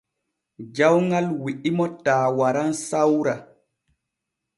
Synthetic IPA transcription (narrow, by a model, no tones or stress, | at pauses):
d͡ʒawŋɡalwiʔimɔtaːwaɾansawɾa